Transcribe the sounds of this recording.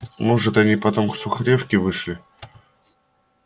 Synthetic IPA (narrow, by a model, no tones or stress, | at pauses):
moʐɨt̪ɐnʲipɐt̪o̞mksʊxɾʲefkʲɪvɨʂlʲɪ